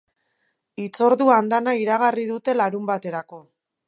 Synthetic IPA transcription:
it͡so̞ɾðuand̪anaiɾaɣ̞arið̞ut̪e̞laɾumbat̪e̞ɾako̞

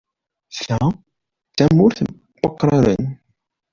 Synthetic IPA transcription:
sæ | θæmːʊɾθ | bɑqːɾˤɑɾə̰n

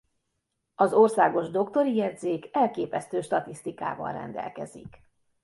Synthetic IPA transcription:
ɒzorsaːɡo̞ʒd̪o̞kt̪o̞ɾijɛd̪zeːkɛlkeːpɛst̪øːʃt̪ɒt̪ist̪ika̰ːvɒ̰nrɛ̰nd̪ɛ̰lkɛzḭk

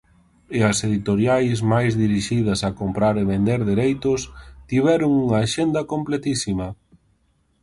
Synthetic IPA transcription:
ɪɐseðit̪oɾjajzmajzðiɾiʃið̞ɐsɐkompɾaɾeβend̪eɾðeɾejt̪ʊst̪iβɛɾʊŋuŋaːʃend̪ɐkomplet̪isimɐ

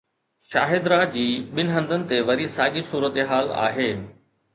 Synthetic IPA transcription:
ʃa̰ːɦɪd̪ɾaːd͡ʑiːɓɪnɪɦɐ̃nd̪ʱənɪ̆t̪eʋɐɾisaːɠisuːɾət̪eɦaːla̰ːɦeː

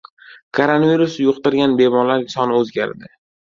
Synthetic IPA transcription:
kʰoɾonaviɾusjʊqt̪ɪɾɡʲanbe̞mɒlaɾsɒnɪɵzɡʲa̰ɾd̪ɪ

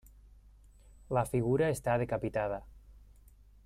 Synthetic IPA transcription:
lafiɣ̞uɾaest̪aðekapit̪að̞a

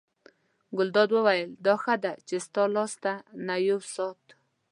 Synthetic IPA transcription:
ɡʊld̪ɑd̪wəwajəld̪ɑxad̪at͡ʃest̪ɑlɑst̪anajowsɑt̪

